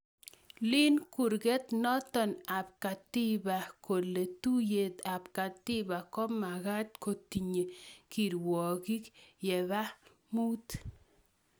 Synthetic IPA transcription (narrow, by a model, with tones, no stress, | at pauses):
lɪ˦nku˨ɾɡe˦t̪nɔ˦t̪ɔ˨na˨p̚ka˨t̪i˦ba˨ko˨le˨t̪u˦je˨t̪a˨pka˨t̪ɪ˦ba˨kɔ˦ma˨ɣa˦t̪̚ko˨t̪i˨ɲe˨ki˨ɾwɔ˨ɡi˦kjɛ˨βa˦ | mu˦t̪